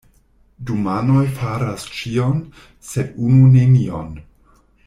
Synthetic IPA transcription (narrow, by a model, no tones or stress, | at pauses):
dumanojfaɾast͡ʃion | sedununemio̰n